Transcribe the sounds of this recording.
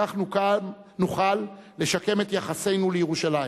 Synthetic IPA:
aχnukan | nuχalːe̞ʃake̞me̞t̪jaχase̞jnulejeʁuʃalai

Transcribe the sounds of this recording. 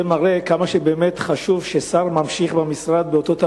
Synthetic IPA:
emaʁekamaʃebeːmet̪χaʃuvʃesaʁmamʃiχbamisʁad̪beo̞t̪o̞t̪a

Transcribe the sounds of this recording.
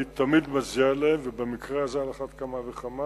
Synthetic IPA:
it̪amid̪mazialeemvebemikʁeazaalaχat̪kamaveχama

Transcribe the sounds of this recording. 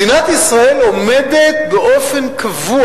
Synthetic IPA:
inat̪isʁaelomed̪et̪̚beʔofenkʰavu

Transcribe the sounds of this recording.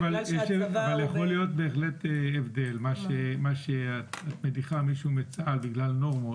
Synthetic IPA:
valjeʃavaljaχo̞lijo̞t̪̚be̞ːχle̞t̪eːvd̪e̞lmaʃemaʃeatat̪mediχamiʃuumet͡salbiɡlalno̞ʁmo

